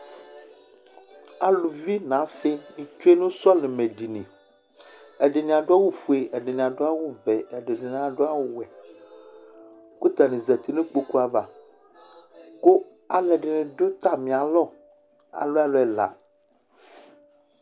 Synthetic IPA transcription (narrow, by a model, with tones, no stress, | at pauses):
a˨lu˨vi˦nã˨˦se˦mĩ˨t͡ʃu˦e˦nũ˦sɔ˦le˨mẽ˨di˨nḛ̃˨ | ɛ˨ɖe˨nĩ˨a˨ɖo˦a˦wo˦fu˨e˨ʔe˨ɖe˨nĩ˨a˨ɖo˦a˦wo˦vɛ˨ɛ˨ɖe˨ɖe˨n˨a˨ɖo˦a˦wo˦wɛ˨ | ku˦t̪a˨nẽ˨zɛ˨t̪i˦nẽ˦k͡po˦ku˦a˨va˨ | ko˦ | a˨lɛ˨ɖe˨nẽ˨ɖo˦t̪a˦mĩ˨a˨lɔ˦ | a̰˨lo˦a˨lo˨ɛ˨la̰˨